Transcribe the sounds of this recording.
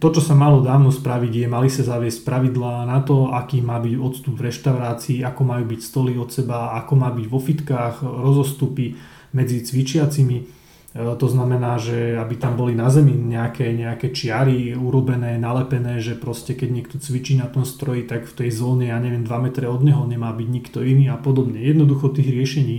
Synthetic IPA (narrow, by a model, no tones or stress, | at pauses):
t̪ɔt͡ʃɔsamalɔd̪aːʋnɔspɾaʋiɟjɛmalisazaʋɪɛsc̚pɾaʋid̪laːnat̪ɔakiːmaːbiɟɔt̪st̪ubvɾɛʃt̪aʊɾaːt͡siːakɔmajuːbicst̪ɔliɔt̪sɛbaakɔmaːbiɟʋɔfit̪kaːxɾɔzɔst̪upi | mɛd͡zit͡sʋit͡ʃɪat͡simi | t̪ɔznamɛnaːʒɛabit̪ambɔlinazɛmiɲɛakɛɲɛakɛt͡ʃɪaɾiuɾɔbɛnɛːnalɛpɛnɛːʒɛpɾɔscɛkɛɟɲɪɛk̚t̪ɔt͡sʋit͡ʃiːnat̪ɔmst̪ɾɔjit̪akft̪ɛjzɔːɲɛjaɲɛʋɛnd̪ʋamɛt̪ɾɛɔd̪ɲɛɦɔɲɛmaːbiɟɲikt̪ɔiniːapɔd̪ɔbɲɛjɛd̪nɔd̪uxɔt̪iːɣɾɪɛʃɛɲiː